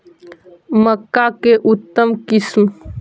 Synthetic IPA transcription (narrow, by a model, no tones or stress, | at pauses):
məkːakeʔut̪ːəmkism